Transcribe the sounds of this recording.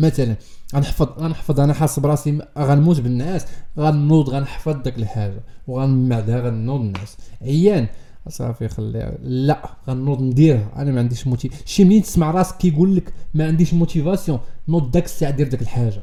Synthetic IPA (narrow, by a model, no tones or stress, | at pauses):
mæt̪ælən | ɣænəħfəd̪ˤɣænəħfəd̪ˤʔænæħɑsˤːəbɾˤɑsiɣænmut̪bənːæsɣænːud̪ˤɣænħfɑd̪ˤːækləlħaʒa̰wɣænmaʕd̪æɣænːud̪ənːæsʕəjːæn | ʔsˤɑ̰fixɑlːḭlæʔɣænːud̪ˤnd̪iɾhæʔæ̰næmæʕənd̪iʃmut̪iʃimnint̪ə̥smaʕɾˤɑskːijɡulːəkmæʕənd̪iʃmut̪ivɑsjɔ̃nud̪ˤd̪ækə̥sːaʕad̪jiɾd̪ækəlħaʒːa